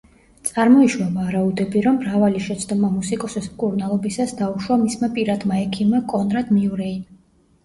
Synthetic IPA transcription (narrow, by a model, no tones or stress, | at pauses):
t̪sʼaɾmɔiʃwavaɾaud̪ɛbiɾɔmːɾavaliʃɛt̪sʰd̪ɔmamusikʼɔsismkʼuɾnalˠɔbisasd̪auʃwamismapʼiɾad̪maɛkʰimakʼɔnɾad̪miuɾɛin